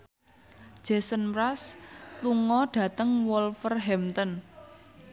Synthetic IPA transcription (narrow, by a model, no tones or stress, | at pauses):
d͡ʒ̥ɛsənpɾasluŋɔɖ̥ä̤t̪əŋwɔlfərɦɛmt̪ɔn